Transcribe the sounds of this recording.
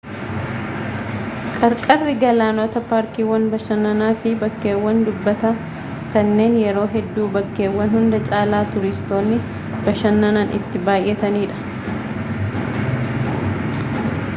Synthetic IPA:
kʼɐɾkʼɐrːɪɡɐlaːnɔt̪ɐpaːɾkiːwɐnbɐʃɐnːɐnaːfɪbɐkːe̞ːwːɐnd̪ʊbːɐt̪a | kɐnːe̞ːnjɛɾo̞ːɦɛd̪ːuːbɐkːeːwːɐnhʊnd̪ɐt͡ʃʼaːlaːt̪ʊɾɪst̪o̞ːnːɪ | bɐʃɐnːɐnanʔɪ̰t̪ːɪbaːjʔːɛt̪ɐniːᶑɐ̥

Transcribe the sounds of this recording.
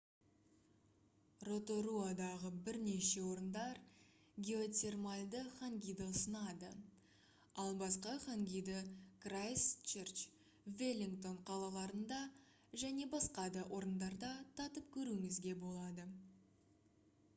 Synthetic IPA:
ro̞t̪o̞ɾuad̪ɑʁəbɪɾne̞ʃe̞wo̞ɾənd̪ɑɾ | ɡʲe̞o̞t̪ʲe̞rmalʲd̪əχaŋɡʲijd̪osənɑd̪ə | ɑlˠbɑsqɑχaŋɡʲijd̪əkrajst͡ʃert͡ʃ | velʲiŋkt̪o̞ɴqʰɑlˠɑlˠɑɾənd̪ɑ | ʒæne̞bɑsqɑd̪əʔo̞ɾənd̪ɑɾd̪ɑt̪ʰɑt̪əp̚kʲʰɵɾumɪzɡʲe̞bo̞lˠɑd̪ə

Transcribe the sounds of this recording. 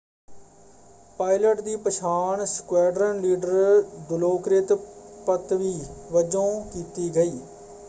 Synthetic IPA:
paːɪləʈd̪iːpəʃʰaːɳskʊwɛːɖɾənliːɖəɾdʊloːkɾɪt̪pət̪ʋiːʋəd͡ʒõːkiːt̪iːɡəiː

